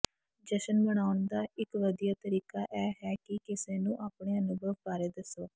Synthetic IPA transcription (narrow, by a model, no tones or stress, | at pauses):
d͡ʒəʃənbəɽ̃aːʊnd̪aːɪkʋəd̪ijaːt̪əɾiːkaːʔɛːɦɛːkɪkɪseːnũːʔaːpɳeːənʊbʱəʋpaːɾeːd̪əsoː